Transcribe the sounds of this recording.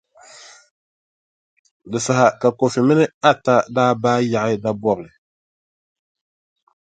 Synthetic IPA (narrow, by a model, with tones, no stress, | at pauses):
dɨ˨sa˨ɦa˨ka˨ko˨fɪ˨mɪ˦nɨ˦a˦ta˦daː˦baː˦ja˨ʔɪ˦da˦bɔ˦bɨ˨lɨ˨